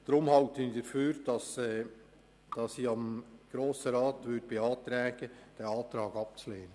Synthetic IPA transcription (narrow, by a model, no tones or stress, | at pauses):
d̪̥ɾʊmhɑltənidəføːɾd̥ɑsɛː | d̥ɑsiɑmɡ̥ɾoːsəɾɑːtʋʏd̚b̥eɑːt̪ɾɛːɡ̥əd̥ɛɑːt̪ɾɑːɡɑp̚t͡sleːnə